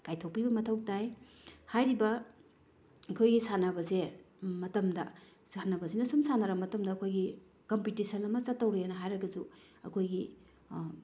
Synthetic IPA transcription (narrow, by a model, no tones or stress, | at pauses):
kajtʰow̚pibɐmɐtʰɐwtaj | hajɾibɐ | ɐkʰojɡisanɐbɐze | mɐtɐmdɐ̰ | sanɐbɐzenɐsumsanɐɾɐmɐtɐmdɐːkʰojɡi | kompitisɐnɐmɐt͡ʃɐtːɐwɾejanɐɦajɾɐɡɐzu | ɐkʰojɡi